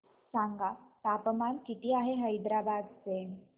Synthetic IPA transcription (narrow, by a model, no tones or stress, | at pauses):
saŋɡat̪apəmankit̪iːaɦeɦəjd̪ɾabad̪t͡se